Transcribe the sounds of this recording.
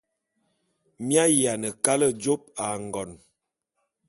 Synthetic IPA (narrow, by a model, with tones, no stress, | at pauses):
mja˦ja˨nə˨ka˦lə˦d͡ʒo˦p̚a˨ŋ˨ɡɔ˨n